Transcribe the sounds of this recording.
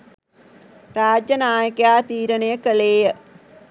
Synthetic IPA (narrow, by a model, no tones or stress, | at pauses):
raːd͡ʒjɐnaːjɐkjaːt̪iːɾɐnɐjɐkɐleːjɐ